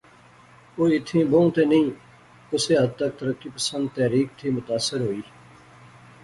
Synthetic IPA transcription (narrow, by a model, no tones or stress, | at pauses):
oːɪt̪ʰːĩːbõũt̪eːnəĩː | ʊseːɦəd̪̚t̪ək̚t̪əɾəkːiːpəsə̃nd̪̚t̪ɛːɾiːk̚t̪ʰiːmʊt̪aːsːəɾɦoːiː